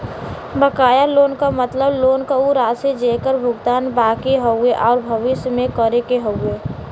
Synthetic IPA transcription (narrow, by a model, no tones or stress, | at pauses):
bəkaːjaloːnkamət̪ləbloːnkauɾaːsed͡ʒeːkəɾbʱʊɡt̪aːnbaːkeɦoeʔɔːɾbʱəʋɪsjmẽkəɾekeɦoʊeː